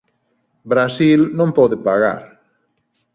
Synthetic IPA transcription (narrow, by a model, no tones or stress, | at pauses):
bɾasilnõmpɔðepaɣa̰ɾ